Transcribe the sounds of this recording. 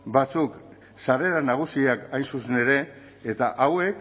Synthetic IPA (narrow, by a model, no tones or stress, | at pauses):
bat͡suk | sare̞ɾanaɣ̞usiakajnsusene̞ɾe̞ː | t̪aʔawe̞k